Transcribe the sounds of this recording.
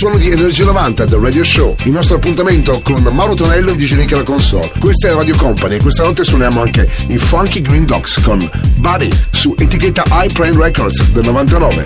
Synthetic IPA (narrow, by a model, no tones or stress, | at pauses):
swɔːnod̪ienerd͡ʒiːanovant̪ad̪erɛd̪ioʃoilnɔst̪ɾoapːunt̪ament̪okonmawɾot̪onɛlːoed̪id͡ʒeɾikalakonsɔ̰lkwest̪ɛlaɾad̪jokɔmpaniekːwest̪anɔt̪ːeswonjaːmoaŋke | ifaŋkiɡɾind̪ɔkskon | baɾḭsuʔet̪iket̪ːaʔajpɾɛjnrɛkɔɾd̪sd̪elnovant̪anɔːvḛ